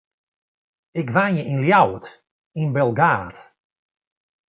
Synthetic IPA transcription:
ɪkʋanjəʔinljawt | inbɛlˠɡaːt

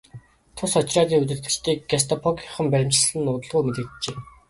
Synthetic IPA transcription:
t̪ʰʊsɔt͡ɕraːniːut̪ɘ̆rt̪ɘ̆t͡ɕt̪ʰiːkɡas̬t̪ʰɔpʰɔkɔχə̆mpæɾʲɪ̆mt͡ɕ̆ɮsɮɘ̆nʊt̪ə̆ɮʁuːmet̪ɘ̆t̪t͡ɕeː

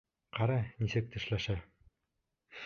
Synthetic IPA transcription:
qɑɾɑnisɘk̚t̪ɘ̆ʃlæʃæ

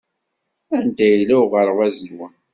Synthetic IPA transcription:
ænd̪æjlæwʁəɾwæzəwæn

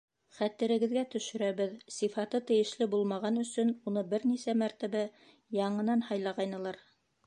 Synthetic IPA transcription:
χæt̪ɘ̆ɾɘ̆ɡɘ̆ðɡæt̪ɵ̆ʃɵ̆ɾæβɘðsifɑt̪ɤt̪ɘ̆jɘ̆ʃlɘbulˠmɑʁɑnɵ̆sɵnunɤbɘɾnisæmæɾt̪æβæ | jɑɴɤ̆nɑnhɑjlˠɑʁɑjnɤ̆lˠɑɾ

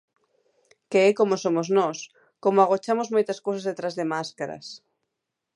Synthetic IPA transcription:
keɛkomosomoznɔs | komoaɣ̞ot͡ʃamozmojt̪ɐskowsazðet̪ɾazðemaskaɾɐ̰s

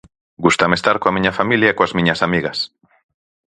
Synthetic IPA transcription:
ɡust̪amest̪aɾkoamĩɲɐfamiljaekoazmĩɲɐsamiɣɐs

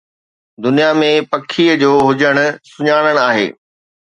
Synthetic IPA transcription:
d̪ʊnijamẽpɐkʰiəd͡ʑoːɦʊd͡ʑəɽ̃ʊ̆sʊɲaːɽ̃əɽ̃aːɦḛː

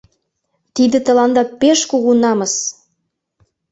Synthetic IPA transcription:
t̪id̪ə̆t̪ə̆lɑnd̪ɑpeʃkuɣunɑməs

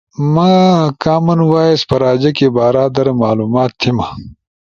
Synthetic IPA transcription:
makaːmɐnwaːespɐɾaːd͡ʑɐkebaːɾaːd̪ɐɾɐmaːluːmaːt̪ʰːima

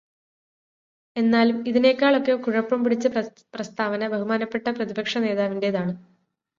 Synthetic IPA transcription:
e̞nːaːlumiðine̞ːkːaːɭo̞kːe̞kuɻɐpːɐmpiɽit͡ɕːɨ | prɐst̪ʰaːʋɐnɐbɐɦumaːnɐpːe̞ʈːɐprɐðibɐkʂɐne̞ːðaːʋindeðaːɳɨ

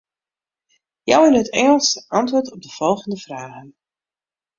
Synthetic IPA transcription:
jawɪnɦətɛŋəlˠsəʔɑntʋʊːɹtɔb̚dəv̥ɔlˠɣəndəv̥raːɣən

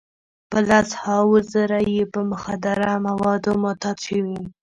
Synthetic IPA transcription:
pəlashɑwəzaɾajepəmʊxad̪aɾamawɑd̪omot̪ɑt̪ʃəwi

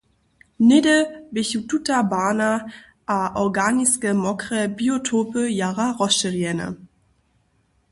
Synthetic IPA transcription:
nɪdəbeçututabaːna | ʔaʔɔʁɡaːniskəmɔkʁəbiotʰoːpəjaːʁaʁɔʃəʁjɛnə̰

